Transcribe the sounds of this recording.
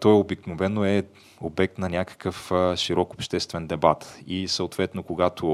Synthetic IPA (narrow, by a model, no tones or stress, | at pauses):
t̪ɔjobiknovɛnːoɛ | obɛk̚t̪nɐnʲakə̥kəfʃiɾɔkopʃt̪ɛst̪vɛnd̪ɛbat̪isəot̪vɛt̪nokoɡat̪ʰo